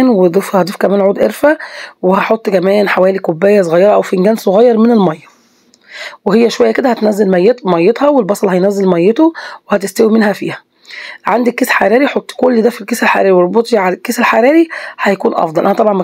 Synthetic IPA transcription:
nwed̪ˤefhɑd̪ˤifkæmæːnʕuːd̪ʔeɾfæwehæħot̪ˤːkæmæːnħawæːlikobːæːjːæs̬ˤoɣɑjːɑɾɑʔæwfenɡæːnsˤoɣɑjːɑɾˤmenelmɑjːɑ | wehejːæʃowæjːæked̪æhæt̪næzːelmæjːet̪mɑjːet̪hɑwelbɑsˤɑlhæjnæzːelmæjːet̪owehæt̪est̪æwimenhæfḭːhæ̥ | ʕand̪ikːeːsħaɾˤiːɾiħot̪ˤːkolːd̪æfilkeːselħa̰ɾˤeːɾiweɾˤbot̪ˤiʕakːeːselħaɾˤiːɾiħæjækuːnʔɑ̰fd̪ɑlʔænæt̪ɑbʕɑnmæ

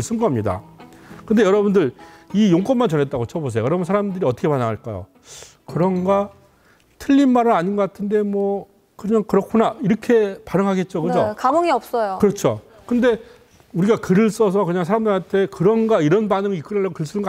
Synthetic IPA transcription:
ɭs͈ɯnɡʌmɲida̰kɯndejʌɾʌbundɯɾijoŋk͈ʌnmːant͡ɕʌnɦe̞t͈̚aɡot͡ɕʰʌbos̬ʰejojʌɾʌbnsʰaɾamdɯɾiʌt͈ʰʌkʰepanaŋɦaɭk͈a̰jo̰ | kɯɾʌnɡa | tʰɯʎːinmaɾɯnaɲinɡʌk͈atʰɯnde̞mwʌ | kɯɲaŋkɯɾʌkʰunaiɾʌkʰe̞panɯŋɦaɡe̞t̚t͡ɕ͈okɯd͡ʑokaboŋiʌp̚s͈ʌjokɯɾʌt͡ɕʰo | kɯnde̞ | uɾiɡakɯɾɯɭs͈ʌs̬ʰʌkɯɲaŋsʰaɾamndɯɾantʰe̞kɯɾʌnɡaiɾʌnbanɯŋik͈ɯɾaːaɡokɯɭs͈ɯnɯŋɡ

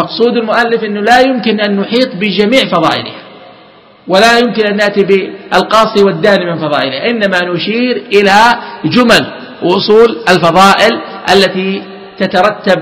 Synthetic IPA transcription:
mɑqsˤuːd̪almʊʔalːɪfʔɪnːʊlajʊmkɪnʔanːʊħiːt̪ˤbɪd͡ʒamiːʕfɑðˤɑ̰ːʔɪ̰l̰ha | walajʊmkɪnʔanːaʔt̪ibɪalqɑːsˤiwɪd̪ːaːnimɪnfɑðˤɑ̰ːʔɪlɪhaʔɪnːamanʊʃiːɾʔɪlad͡ʒʊmal | wʔʊsˤuːlalfɑðˤɑːʔɪlʔalːat̪i | t̪at̪ɑɾˤɑt̪ːab

